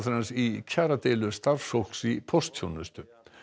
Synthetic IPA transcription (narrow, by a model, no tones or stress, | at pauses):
θɾansicʰaːɾat̪ejlʏst̪aɾsowl̥ksipʰɔst̪çjownʏst̪ʏ